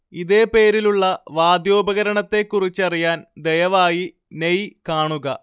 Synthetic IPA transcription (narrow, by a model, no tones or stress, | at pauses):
iðe̞ːpe̞ːɾiluɭːɐʋaːd̪jo̞ːbɐɣɐɾɐɳɐt̪ːe̞kːurit͡ɕːɐrijaːnd̪ejɐʋaːji | nejkaːɳuɣɐ